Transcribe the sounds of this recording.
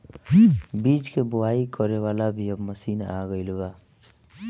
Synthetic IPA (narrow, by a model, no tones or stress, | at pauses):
bid͡ʒkeboaikəɾewalabʱiəbməsiːna̰ɡəɪlba